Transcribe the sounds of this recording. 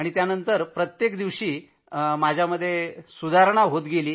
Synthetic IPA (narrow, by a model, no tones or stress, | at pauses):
aɽ̃it̪janənt̪əɾpɾət̪jekd̪iʋɕiː | mad͡ʑʱjaməd̪ʱːjesud̪ʱaɾɳ̃aɦot̪ɡeliː